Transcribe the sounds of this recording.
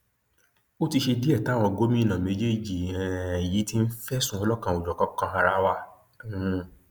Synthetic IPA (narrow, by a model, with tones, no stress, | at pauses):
o˦ti˧ʃe˧di˦ɛ˦˨ta˨˦˨w̃ɔ̃˧ɡo˦mĩ˦˨nã˨me˨˦d͡ʒe˦˨d͡ʒi˨ɛ̃˨ji˨˦ti˦n̩˦fɛ˦sũ˦ɔ˧lɔ˦kã˧˨o˨d͡ʒɔ˨kɔ̃˦kã˧ɦa˧ɾa˦wa˦˨˦